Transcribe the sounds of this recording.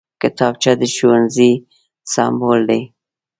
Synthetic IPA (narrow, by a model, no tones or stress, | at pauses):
kɪt̪ɑb̚t͡ʃad̪əʃowanzi | sɑ̰mbold̪aj